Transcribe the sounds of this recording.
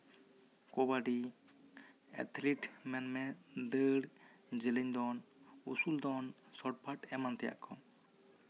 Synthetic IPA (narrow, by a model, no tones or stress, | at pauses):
kɔbaɖi | ɛ̰t̪ʰliʈmɛnmɛd̪əɽ | d͡ʒɛləɲd̪ɔn | usuld̪ɔn | sɔʈ̚pʰaʈɛmant̪ɛja̰ʔkʰɔ